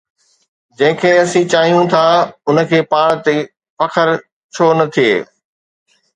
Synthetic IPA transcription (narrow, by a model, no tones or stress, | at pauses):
d͡ʑɐ̃ɦɪ̃kʰeːɐsĩt͡ɕaːɦijũt̪ʰaːʊn̆kʰeːpaːɽt̪e | fɐkʰəɾ | t͡ɕʰoːnɐt̪ʰiḛː